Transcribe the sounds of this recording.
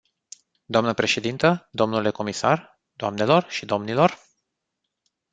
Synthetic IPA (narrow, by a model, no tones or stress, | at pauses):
d̪oamnəpɾe̞ʃe̞d̪int̪əd̪o̞mnuleko̞misa̰r | d̪̥oamne̞lo̞rʃid̪o̞mnilo̞r